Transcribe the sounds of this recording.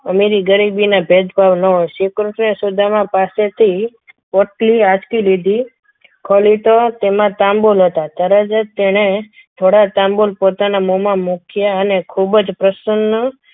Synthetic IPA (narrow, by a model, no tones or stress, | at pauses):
əmeɾiɡəɾibinabʱed̪bʱaʋnəoʃikɾuʈnesud̪ʱamãpaset̪ʰi | poʈliad͡ʒkilid̪ʱi | kʰɔlit̪ot̪emãt̪ãmbolɦət̪at̪əɾəd͡ʒət̪ːeɽ̃e | t̪ʰoɽat̪ãmbolpot̪anamomãmukʰjaənekʰubd͡ʒpɾəsənːə